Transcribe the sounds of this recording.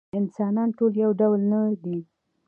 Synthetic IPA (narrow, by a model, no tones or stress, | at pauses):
ɪnsɑnɑnʈoljawɖawlnad̪i